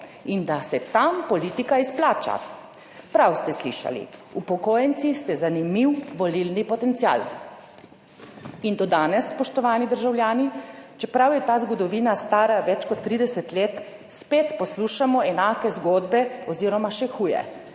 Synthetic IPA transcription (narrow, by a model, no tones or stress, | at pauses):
ind̪asɛt̪ampɔliːt̪ikaisplaːt͡ʃa̰ | pɾawst̪ɛslḭːʃa̰lḭupɔkoːjɛnt̪sist̪ɛzanimiwʋɔlilnipɔt̪ɛnt̪sia̰ːl | ind̪ɔd̪aːnɛsːpɔʃt̪ɔʋaːnid̪əɾʒawljaːnit͡ʃɛpɾawjɛt̪aːzɡɔd̪ɔʋiːnast̪aːɾaʋɛt͡ʃkɔt̪ːɾiːd̪ɛsɛt̪leːt̪ | speːt̪pɔsluːʃamɔɛnaːkɛzɡoːd̪bɛɔziːɾɔmaʃɛxuːjɛ̰